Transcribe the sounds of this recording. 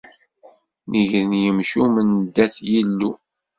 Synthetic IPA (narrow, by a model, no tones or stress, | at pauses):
nəʝnjəmʃumənd̪ːæθjilːu